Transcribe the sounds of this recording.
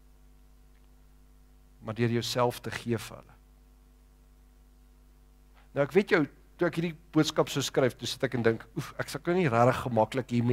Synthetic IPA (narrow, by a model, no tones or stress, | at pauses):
mɐrdyərjəwsælˠftəχiəfəɦə̰lə̰ | nəwækvetjœw | tuækɦidib̥uətskɐpsəwskrɛjftusə̥tækəndəŋkufæksɐlˠknəwniræɾəχːəmɐkləkɦim